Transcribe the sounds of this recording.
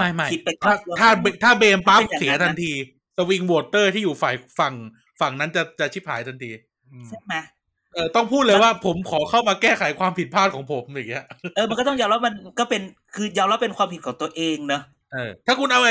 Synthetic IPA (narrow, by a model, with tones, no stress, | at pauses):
ma˥˩jma˥˩ji˦˥t̪̚pa˨˧t̪ʰːaː˥˩˧t̪ʰaː˥˩˧t̪ʰaː˥˩beː˧mpa˦˥p̚si˨˩˦ɐt̪ʰa˧nt̪ʰiː˧ | sa˧wi˧ŋwoː˧˩t̪ɤː˥˩t̪ʰiː˥˩juː˨˩fa˨˩jfa˨˩ŋ | fa˨˩ŋna˦˥nt͡ɕa˨˩t͡ɕa˨˩t͡ɕʰi˦˥p̚ʰha̰ː˩˦jt̪ʰa˧nt̪ʰiː˧ | se˥˩ma˦˥ | ʔɤː˧t̪ɔ˥˩ŋpʰuː˥˩t̪̚lɤ˧jwaː˥˩pʰo˩˦mkʰɔː˩˦kʰa˥˩wma˧kɛː˥˩kʰa˨˩˦jkʰwaː˧mpʰi˨˩t̪̚pʰaː˥˩t̪̚kʰɔ˩˦ŋpʰo˩˦mjaː˨˩ŋːi˦˥ɐʔɤː˧ma˧nkɔ˥˩t̪ɔ˥˩ŋjaː˧wla˦˥p̚ma˧nkɔː˥˩pe˧n | kʰɯː˧jaː˧wla˦˥pːe˧nkʰwaː˧mpʰi˨˩t̪̚ʰːŋt̪u˧ɐəʔeː˧ŋnɔ˦˥ | ʔɤː˧t̪ʰaː˥˩kʰu˧nʔa˧wʔa˧